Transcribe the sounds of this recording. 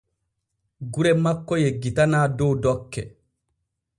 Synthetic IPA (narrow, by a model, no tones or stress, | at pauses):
ɡuɾɛmakːɔjɛɡitanaːdɔwdɔkːɛ̰